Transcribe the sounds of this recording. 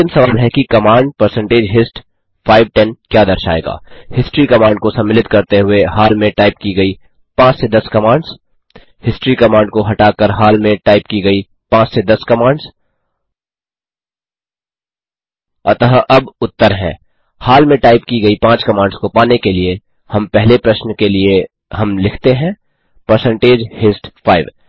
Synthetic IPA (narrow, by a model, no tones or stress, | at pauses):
ɪmsɐʋaːlɦɛkikɐmãːɳɖ̚pɐɾsə̃ɳʈeːd͡ʒɦɪsʈ | faːɪʋʈɛnkjaːd̪ɐɾʃa̰ːḛːɡa̰ːhɪsʈɾikɐmãːɳɖ̚kosɐ̃mːɪlɪt̪̚kɐɾt̪eɦʊeɦaːlmẽʈaːɪp̚kiɡɐi | pãːt͡ʃsed̪ɐskɐmãːɳɖz | hɪsʈɾikɐmãːɳɖkoɦɐʈaːkəɾɦaːlmẽʈaːɪpkiɡɐi | pãːt͡ʃsed̪ɐskɐmãːɳɖz | ɐt̪ɐɦʔɐbʊt̪ːəɾɦɛ̰̃ː | haːlmẽʈaːɪpkiɡɐipãːt͡ʃkɐmãːɳɖskopaːnekelie | hɐ̃mpɛɦlepɾɐʃnkelie | ɦɐmlɪkʰt̪eɦɛ̃ː | pɐɾsɛ̃ɳʈeːd͡ʒhɪsʈfʰaːɪʋ